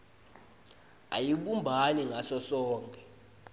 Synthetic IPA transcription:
a̰jiɓumbʱaniŋʱasɔsɔːŋkɛ

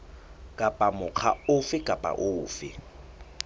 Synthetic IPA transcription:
kʼapʼamʊk͡xʰa̰ʊfɪkʼapʼa̰ʔʊːfɪ̰

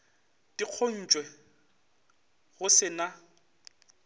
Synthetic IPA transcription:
tiq͡χʰon̩t͡ʃʼwɛ | ɣʊsɪna

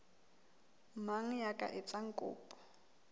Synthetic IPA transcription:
maŋ̩jakʼa̰ʔɪt͡sʼaŋ̩kʼʊ̰ːpʼɔ̥

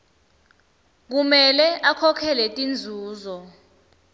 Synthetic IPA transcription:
k̬umɛlɛʔakʰɔkʰɛlɛtʼind͡zʱuːzɔ

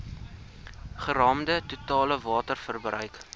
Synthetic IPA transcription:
χəɾɑːmdətutɑːləvɑːtərfərbrœɥk

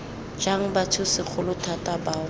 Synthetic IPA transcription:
d͡ʒaŋ̩batʰʊsɪk͡xʰʊlʊtʰatʼaba

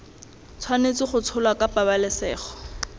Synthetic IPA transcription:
t͡sʰwanet͡sɪχʊt͡sʰʊlwakapʼabalɪsɛːχɔ̥

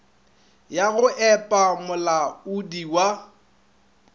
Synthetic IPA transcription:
jaɣʊʔɛpʼamʊlaudiwa

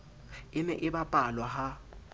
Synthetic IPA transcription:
ɪmɛ̰ʔɪɓapʼalwaɦa

